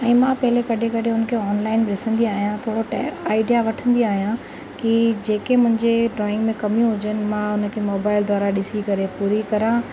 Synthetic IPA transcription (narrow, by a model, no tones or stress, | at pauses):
ɛ̃ːmãpɐɦɪlekɐɗʱekɐɗʱɪ̃ɦʊnəkʰeɔːnlaːɪnɾɪsə̃nd̪iaːɦijãt̪ʰoʈɛaːɪɖijaʋɐʈʰə̃nd̪iaːɦijã | kid͡ʑeːkemʊ̃ɦɪ̃ɲd͡ʑeɖɾɔːɪ̃ŋɡmẽkɐmijũɦʊd͡ʑənɪ̆mãʊnə̆kʰemoːbaːɪld̪ʱaːɾaɗɪsikɐɾepuːɾikɐɾã